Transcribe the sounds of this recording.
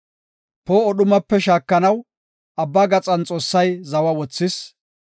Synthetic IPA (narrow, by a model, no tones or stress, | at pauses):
poːɔɗʊmɐpːɛʃaːkːɐnɐw | ʔɐbːaːɡɐt͡sʼɐnt͡sʼo̞ːsːɐjzɐwɐwɔt͡sːɪs